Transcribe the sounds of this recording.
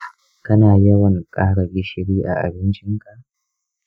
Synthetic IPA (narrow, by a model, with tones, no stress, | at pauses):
kɐ˦naː˨jɐ˦wɐ˨ŋkʼaː˦ɽɐ˨bɪ˦ʃɪ˨ɽiː˦ʔa̰˨ʔa̰˨bɪ˦nt͡ʃɪ˦ŋkʼa˦